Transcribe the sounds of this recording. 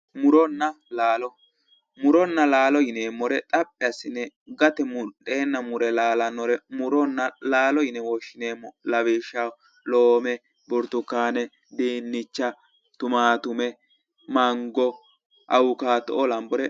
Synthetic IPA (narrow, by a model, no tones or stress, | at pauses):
mʊɾɔnːɐ | laːlɔ | mʊɾɔnːɐlaːlɔjɪneːmːɔɾɛt̪ʼɐpʼːɛɐsɪnːɛɡɐt̪ɛmʊɗeːnːɐmʊɾɛlaːlɐnːɔɾɛmʊɾɔnːɐlaːlɔjɪnɛwɔʃːɪneːmːɔlɐbeːʃa | loːmɛ | bɔɾt̪ʊkːaːnɛ | d̪eːnːɪt͡ʃːɐ | t̪ʊmaːt̪ʊmɛ | mɐŋɡɔ | ʔɐ̰wʊkaːt̪ɔʔɔlɐmbɔɾɛ